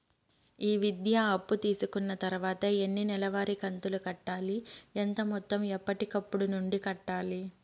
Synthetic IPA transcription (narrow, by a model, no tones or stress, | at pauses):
iːʋid̪jaɐpːut̪iːsukunːɐt̪ɐɾuʋaːt̪ɐenːinɛlɐʋaːɾikɐnt̪ulukɐʈːaːlient̪ɐmɔt̪ːɐmɛpːɐʈikɐpːuɽunuɳɖikɐʈːaːli